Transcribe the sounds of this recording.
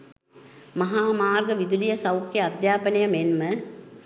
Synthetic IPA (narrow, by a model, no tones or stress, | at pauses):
mɐɦaːmaːrɡəʋid̪ulijɐsɐwkːjɐɐd̪jaːpɐnɐjɐmenmə